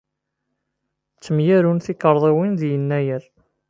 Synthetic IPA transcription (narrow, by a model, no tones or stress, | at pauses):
t͡sːəmjæɾunθikəɾˤðˤiwinðjənːæjæɾ